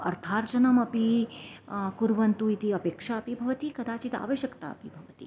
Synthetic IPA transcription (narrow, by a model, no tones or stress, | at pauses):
ɐ̰ɾt̪ʰaːɾd͡ʒɐnɐmɐpi | kuɾʋɐnt̪uit̪iɐpeːkʂaɐpibʱɐʋɐt̪ikɐd̪aːt͡ʃit̪a̰ːʋəʃjəkt̪a̰ɐ̰pibʱɐʋət̪ḭ